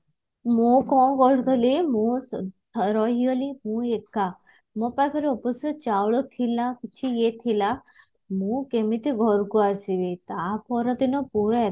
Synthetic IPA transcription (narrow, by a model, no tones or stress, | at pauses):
mũkɔ̃ɡʱɔɾkɔlimũst̪ʰɾɔɦiɔlimũeʈ̚ka | mɔ̃pajkʰɔɾiɔpɔsut͡ʃawɭɔkʰilːãkit͡ʃʰijet̪ʰila | mũkemit̪iɡʱɔɾkuasiʋet̪apʰɔɾɔt̪inɔpuɾɔe